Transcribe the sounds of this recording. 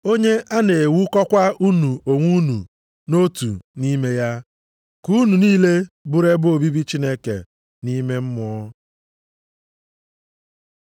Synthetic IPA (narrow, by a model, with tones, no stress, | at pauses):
o˦ɲe˦ʔa˦ne˨wu˦kɔ˦kʷa˦u˦nu˨o˨ŋʷu˦nṵ˨ | no˦tṵ˨ni˦me˦ja˦ | ku˦nu˨niː˦le˦bʊ˦ɾe˦bo˨bi˦bi˦t͡ʃi˦ne˦kḛ˨ | ni˦me˦m̩˦mɔ˦